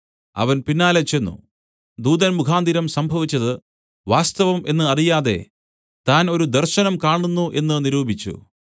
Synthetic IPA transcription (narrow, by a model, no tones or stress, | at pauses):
ɐ̰ʋɐnpinːaːlet͡ɕe̞nːṵ | d̪uːd̪ɐnmukʰaːnd̪iɾɐmsɐmbʱɐʋit͡ɕːɐðɨ | ʋaːst̪ɐʋɐme̞nːɨɐrijaːðe̞̰ | t̪aːno̞ɾud̪ɐrɕɐnɐmkaːɳunːuʔe̞nːɨniɾuːbʱit͡ɕːṵ